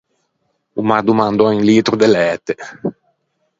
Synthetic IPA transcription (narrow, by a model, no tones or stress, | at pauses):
umad̪umãnd̪ɔẽŋlit̪ɾud̪elɛːt̪e